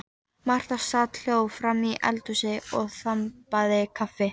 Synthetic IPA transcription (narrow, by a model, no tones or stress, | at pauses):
mar̥t̪ast̪at̪l̥jowfɾamiʔɛ̰lt̪usɪɔɣθampaðɪkʰafɪ